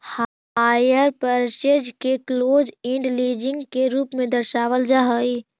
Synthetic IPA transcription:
h | ajəɾpəɾt͡ʃed͡ʒkeklod͡ʒɪ̃ɳɖled͡ʒɪ̃ŋɡkeɾuːpmẽd̪əɾʃaʋəld͡ʒaɦəj

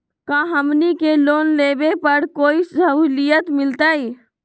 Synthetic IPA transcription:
kãɦəmnikeloːnlebepəɾkoːisəɦulijət̪mɪlt̪əi

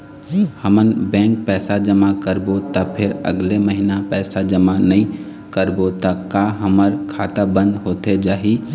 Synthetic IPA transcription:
həmənbɛ̃ːŋk̚pɛːsad͡ʒəmakəɾbot̪apʰɪɾə̰ɡleməɦinapɛːsad͡ʒəmanɐĩ | kəɾbot̪akaɦəməɾkʰaːt̪abə̃nd̪ɦoːt̪ed͡ʒaːɦiː

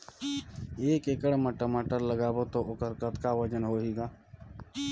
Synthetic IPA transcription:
eːkeːkəɽməʈəmaːʈəɾləɡaːboːt̪oːʔʊkəɾkət̪kaːʋəd͡ʒənɦoːɦiːɡaː

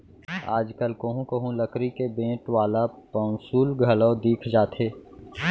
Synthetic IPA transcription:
a̰ːd͡ʒkəlkəɦũkɐɦũləkɾikebẽːʈʋaːlapɐ̃ːnsuːlɡʱələd̪iːkʰd͡ʒaːt̪ʰeː

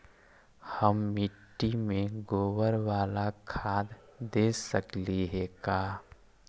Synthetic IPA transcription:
həmːɪʈːimẽɡoːwəɾwaːlakʰaːd̪d̪eːsəkliɦɛkaː

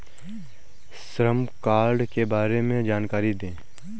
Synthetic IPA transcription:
sɾəmkaːɾɖkebaːɾemẽd͡ʒaːnkaːɾid̪ẽː

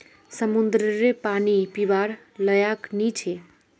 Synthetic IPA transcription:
səmund̪ɾəɾepanipibaɾ | ləjaknit͡ʃʰe

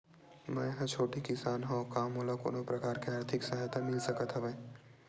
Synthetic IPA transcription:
mɛ̃jɦãt͡ʃʰoːʈikɪsaːnɦõkaːmɦolako̰ːnõpɾɐkaːɾkeaːɾt̪ʰɪksaɦjt̪amɪlsɐkət̪ɦɐʋeː

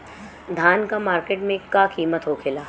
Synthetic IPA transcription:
d̪ʱaːnkamaːɾkeːʈmẽkakiːmət̪ɦokʰɪlaː

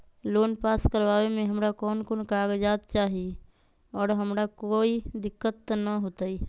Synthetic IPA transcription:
loːnpaːskəɾʋaːwemẽɦəmɾakɔːnkoːnkaːɡd͡ʒaːt̪̚t͡ʃaːɦie | ɔːɾɦəmɾakoːid̪ɪkːət̪ːnəɦoːt̪ai

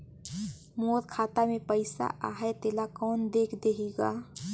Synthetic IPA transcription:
moːɾkʰaːt̪amẽpəɪsa̰ʔaːɦet̪eːlakɔːnd̪eːkʰd̪eːɦiɡaː

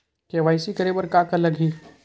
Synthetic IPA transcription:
keʋaːɪsikɐɾeːbəɾkaːkɐlɐɡɦi

